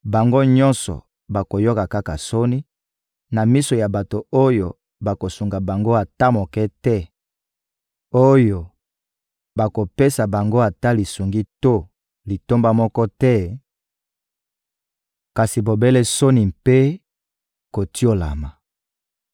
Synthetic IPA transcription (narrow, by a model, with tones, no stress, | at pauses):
ba˨ŋɡo˦ɲɔ̃˦nsɔ̰˨ | ba˨ko˨jo˦ka˨ka˦ka˨so˦ni˦ | na˨mi˦so˨ja˨ba˨to˨o˦jo˨ | ba˨ko˨su˨ŋɡa˨ba˨ŋɡo˦a˨ta˦mo˨kɛ˦tɛ˦ | o˦jo˨ | ba˨ko˨pe˦sa˨ba˨ŋɡo˦a˨ta˦li˨su˨ŋɡi˦to˦ | li˨to˦mba˦mɔ˦kɔ˦tɛ˦ | ka˨si˨bo˨be˦lɛ˦so˦ni˨mpe˦ | ko˨ti˦o˦la˨ma˨